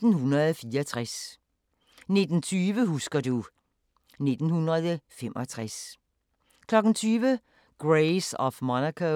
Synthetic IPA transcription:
n̩hunɐð̩ˠfiːɐt͡sʰʁas | ne̝d̥n̩t͡sʰyːʋəɦusɡ̥ɐdu | ne̝d̥n̩hunʁɐðˠəfemʔɒt͡sʰʁas | kʰlɒ̽ɡ̥n̩t͡sʰyːʋə | ɡ̥ʁeɪsɒfmɑnækʰo

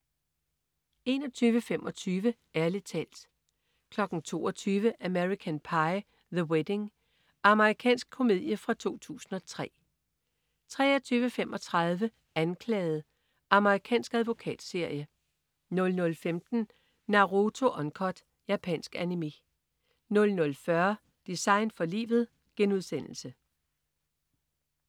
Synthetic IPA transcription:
e̝nɒ̽t͡sʰyːʋəfemʔɒ̽t͡sʰyːʋə | æɐlet͡sʰɛ̰ld̥ | kʰlɒ̽ɡ̥n̩t͡sʰo̝̰ːɒt͡sʰyːʋəʔæmeʁikʰænpʰɑ̈ɪ | ðəwed̥e̝ŋ | ʔɑ̈məʁikʰɛ̰ːnsɡ̥̚kʰo̝me̝ð̰ˠjəfʁɑ̈t͡sʰo̝̰ːt͡sʰṵːsn̩ɒ̽t͡sʰʁɛ̰ː | t͡sʰʁɛ̰ːɒt͡sʰyːʋəfem̰ʔɒ̽t͡sʰʁɑ̈ð̞ˠʋə | ænkʰlɛːð̩ˠ | ɑ̈məʁikʰɛ̰ːnsɡ̥æðˠʋo̝kʰɛ̰ːd̥se̝ɐ̰jə | nɔ̽lnɔ̽lfemd̥n̩ː | ɑ̈ʁot͡sʰo̝ʔɒ̽nkʰɒd̥ | jæpʰɛ̰ːnsɡ̥ænimi | nɔ̽lnɔ̽lfɶɐ | d̥isɑ̈ɪnd̥fɒ̽lḭːʋð̞̩ˠ | ɡ̥enuð̞ˠsen̰l̩sə

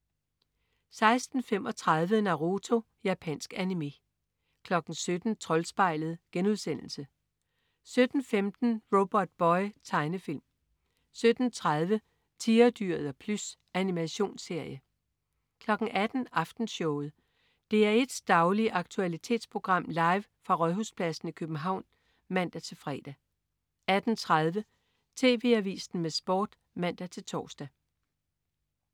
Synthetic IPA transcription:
sɑ̈ɪsd̥n̩fem̰ɒ̽t͡sʰʁɑð̞ˠʋənɑ̈ʁo̝t͡sʰo̝ | jæpʰæ̰n̰sɡ̥ænime̝ | kʰlɒ̽ɡ̥ŋ̩sød̥n̩t͡sʰʁɒ̽lsb̥ɑ̈ɪ̰ləð̞̩ˠɡ̥enuðˠsen̰l̩sə | sød̥n̩femd̥n̩ʁo̝b̥ɒd̥̚b̥ɒɪt͡sʰɑ̈ɪnəfil̰m | sød̥n̩t͡sʰʁaðˠʋə | t͡sʰiːɐd̥yɐ̰ð̩ˠɒpʰlusʔænimæɕo̝̰ːnse̝ɐ̰jə | kʰlɒ̽ɡ̥ŋ̩æd̥n̩ɑ̈fd̥n̩sɔ̽ʊð̩ˠ | d̥e̝æɐe̝d̥sd̥ɑ̈ʊliʔɑ̈ɡ̥̚t͡sʰuælit͡sʰe̝̰ːd̥spʰʁo̝ɡ̥ʁɑ̈m̰lɑ̈ɪʋ | fʁɑ̈ʁɒðˠhuspʰlæsn̩ikʰøb̥m̩ɦɑ̈ʊ̰n | mæn̰d̥æt͡sʰe̝lfʁɛ̰ːd̥æ | æd̥n̩t͡sʰʁað̞ˠʋə | t͡sʰe̝̰ːʋe̝̰ːæʋḭːsn̩mesb̥ɒ̰ːd̥ | mæn̰d̥æt͡sʰe̝lt͡sʰɒ̰ːsd̥æ

